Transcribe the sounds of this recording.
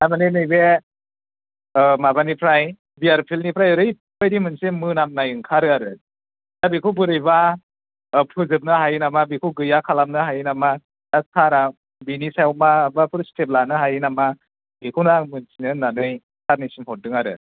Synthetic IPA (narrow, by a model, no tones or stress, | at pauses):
amaninɯjbe | mabanipʰɾaj | biaɾpʰilnipʰɾajɯɾɯjpʰɯjɾimɯnsemɯnamnajɯŋkʰaɾɯaɾɯ | dabikʰɯwbɯɾɯjba | pʰɯzɯp̚nɯɦajnamabikʰɯwɡɯjakʰalamnɯɦajnama | daskʰaɾa | binisajwmabapʰɯɾsteplanɯɦajnama | bikʰunamɯnsinɯnanɯj | kʰaɾnisimɦɔt̚dɯŋaɾɯ̰